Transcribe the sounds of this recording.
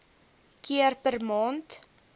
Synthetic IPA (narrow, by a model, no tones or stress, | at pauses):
kiərpərmɑːnt